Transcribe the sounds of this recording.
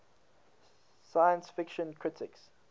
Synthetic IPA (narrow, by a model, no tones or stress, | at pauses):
sajə̃nsfɪkʃə̃nkʰɹ̥ɪtʰɪks